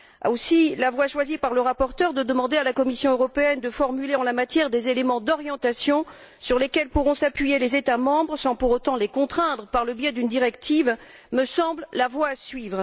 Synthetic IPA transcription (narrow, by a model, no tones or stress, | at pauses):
a̰osilavwaʃwazipaʁləʁapɔʁt̪œʁd̪əd̪əmɑ̃d̪ealakɔmisjɔ̃øʁɔpeɛnd̪əfɔʁmyleɑ̃lamat̪jɛʁd̪ezelemɑ̃d̪ɔʁjɑ̃t̪asjɔ̃ | syʁlekʲɛlpuʁɔ̃sapɥijelezet̪amɑ̃bʁsɑ̃puʁot̪ɑ̃lekɔ̃t̪χɛ̃d̪ʁəpaʁləbjɛd̪ynd̪iʁɛkt̪iv | məsɑ̃bllavwasɥivʁ